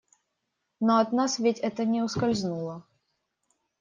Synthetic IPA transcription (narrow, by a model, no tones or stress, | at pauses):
noɐt̪nasvʲɪtʲɛt̪ənʲɪʊskɐlʲznulˠə